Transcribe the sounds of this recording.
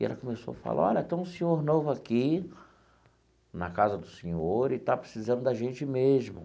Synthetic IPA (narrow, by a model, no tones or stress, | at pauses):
ɛ̰lɐkomeso̰wɐfa̰lʔa̰ɔ̰ʎɐ̃t̪ẽw̃sẽɲoɾnovʊaki | nɐ̰kazɐd̪ʊsẽɲoɾɪt̪apɾesizɐ̃nd̪ʊd̪ɐʒẽnt͡ʃɪmeʒmʊ̰